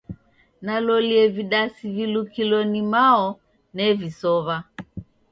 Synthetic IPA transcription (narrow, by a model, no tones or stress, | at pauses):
nalɔliɛviɗasivilukilɔnimaɔ | nɛvisɔβa